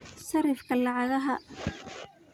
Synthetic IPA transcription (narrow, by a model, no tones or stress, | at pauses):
sɐɾɪfkʰɐlɑʕɑðɐɦɐ